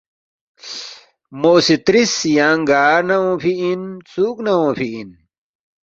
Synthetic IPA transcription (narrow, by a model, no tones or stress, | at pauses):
moːsit̪ɾisjaːŋɡaːɾnɐwõːpʰiʔint͡suːknawõːpʰiʔin